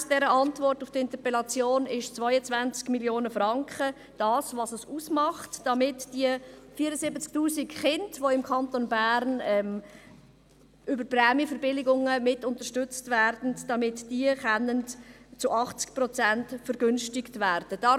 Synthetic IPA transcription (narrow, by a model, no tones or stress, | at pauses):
d̥ɛɾəʔɑntvɔrtʊfd̥ɪntəpɛlɑt͡sjoːnɪʃt͡svɔʏət͡svænt͡skmiljoːnəfrɑŋkχə | d̥ɑːsvɑːsəsuːsmɑχtd̥ɑmɪtd̥iəfiːəɾəsɪbət͡sk̚tuːsɪkχɪndvoɪmkʰɑntonbæɾnɛm | ʔʏbəɾprɛːmjəfəɾbɪlɪɡʊŋəmɪtʊntəɾʃtʏt͡stvɛrd̥n̩d̥ɑmɪtd̥iəχɛnːəntt͡sʊʔɑχt͡sk̚prɔt͡sæntfəɾɡʏnʃtɪktvɛːɾd̥əd̥ɑ